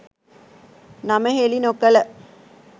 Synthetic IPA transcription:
nɐmɐɦeɭinokːɐlɐ

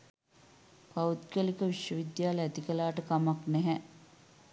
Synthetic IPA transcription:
paut̪̚kəlikəʋiʃjəʋid̪jaːləæt̪ikəlaːʈəkamaknɛɦɛ

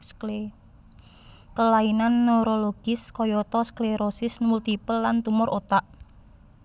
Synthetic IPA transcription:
le | kəlainanːoɾoloɡ̥ɪskɔjɔt̪ɔskleɾosɪsmult̪ipəlːant̪umʊɾʔot̪aʔ

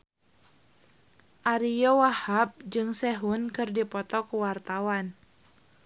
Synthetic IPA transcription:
ʔaɾijɔwahap̚d͡ʒɨŋsɛɦunkɨrdipɔt̪ɔkuwart̪awan

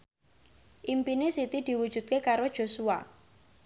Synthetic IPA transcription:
ʔimpinesit̪id̪̥i̤wud̥ʒ̥ṳt̪̚kekaɾod̥ʒ̥o̤sua̰

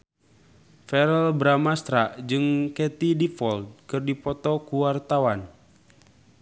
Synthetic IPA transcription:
fɛɾəlbɾamast̪ɾaʔd͡ʒɨŋkɛt̪idifɔld̚kɨrdipɔt̪ɔkuwart̪awan

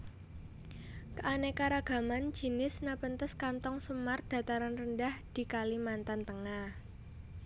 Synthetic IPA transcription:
kəʔanekaɾaɡ̥a̤man̥d͡ʒ̥i̤nɪsnapənt̪əskant̪ɔŋsəmard̪̥a̤t̪aɾanrəndahd̪̥i̤kalimant̪ant̪əŋah

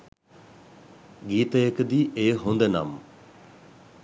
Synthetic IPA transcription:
ɡiːt̪eːɪkd̪iːʔeːɦõːnd̪eːna̰ːm

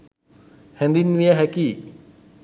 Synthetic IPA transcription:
hɛnd̪inwijaɦɛki

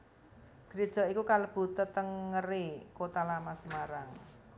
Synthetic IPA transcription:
ɡ̥əɾid̥ʒ̥ɔ̤ikukaləb̥ṳt̪ət̪əŋːərekot̪alamasəmaɾaŋ

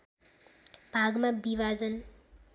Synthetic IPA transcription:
b̥ʱaɡmabiʋad͡zʌn

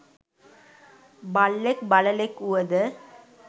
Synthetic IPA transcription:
balːekbɐləlekuʋəd̪ə

